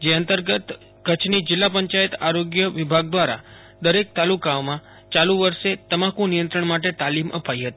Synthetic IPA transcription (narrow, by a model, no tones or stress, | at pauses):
d͡ʒeənt̪əɾɡət̪ | kət͡ʃʰnid͡ʒɪlːapəɲt͡ʃajət̪aɾoɡjəʋɪbʱaɡ̚d̪ʋaɾa̰ | d̪əɾek̚t̪alukaomã | t͡ʃaluʋəɾʃet̪əmakũnijənt̪ɾəɳmaʈ̬et̪alimʔə̰pajɦət̪i